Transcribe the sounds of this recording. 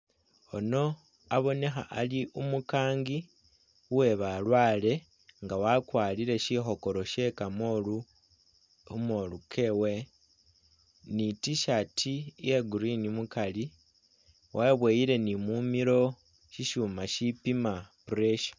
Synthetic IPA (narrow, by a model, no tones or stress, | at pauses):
ono̞ | aβo̞ne̞xa̰ʔaliʔumukaːŋɡi | uwe̞βalwaːle̞ | ŋɡawakwaːliɾe̞ʃixo̞ko̞ɾo̞ʃe̞kamo | molukʰe̞we̞ | nitiʃatʰijeɡuɾinimukali | wʔaβweːjiɾe̞nimumiɾo̞ | ʃiʃuːmaʃipimapuɾeʃḁ